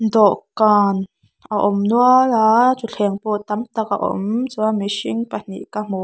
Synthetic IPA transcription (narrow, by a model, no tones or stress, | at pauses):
nd̪oʔkan | aʔomnwalat͡ʃuɬheŋpoʔt̪amt̪akaʔo̰mt͡saameʃiŋpan̥ḭʔkamo